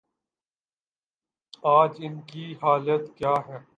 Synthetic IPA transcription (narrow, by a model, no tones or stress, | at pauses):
aːd͡ʒɪnkiɦaːlət̪kjaːɦɛː